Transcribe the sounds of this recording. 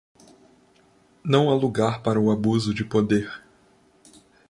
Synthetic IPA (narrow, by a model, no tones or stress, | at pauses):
nɐ̃w̃aluɡaɾpaɾɐʊabuzʊd͡ʒɪpod̪eɾ